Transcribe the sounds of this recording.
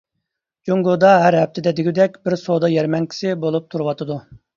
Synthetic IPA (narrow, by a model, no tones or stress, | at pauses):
d͡ʒoŋɡod̪ɑɦæɾɦɛp̚t̪ʰɪd̪ɛd̪ɪɡʲid̪ɛkʲbɪɾsod̪ɑjɛɾmɛŋkʲʰi̥sɪbolˠup̚t̪ʰuɾwɑt̪ʰɨd̪u